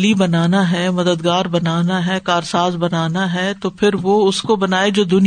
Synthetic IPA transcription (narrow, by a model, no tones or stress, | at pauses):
libɐnaːnaɦɛmɐd̪əd̪ɡaːɾbɐnaːnaɦɛkaːɾsaːzbɐnaːnaɦɛt̪opʰɪɾʋoʊskobɐnaːed͡ʒoːd̪ʊn